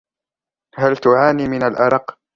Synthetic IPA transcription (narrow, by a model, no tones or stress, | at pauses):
halt̪ʊʕaːniːmɪnalʔɑɾˤɑq